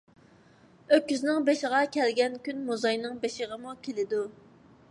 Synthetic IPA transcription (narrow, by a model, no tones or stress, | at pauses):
økʲːyznɪŋbeʃɪʁɑkʲʰɛlɡʲɛnkʲynmuzɑjnɨŋbeʃɪʁəmukʲʰelɪd̪u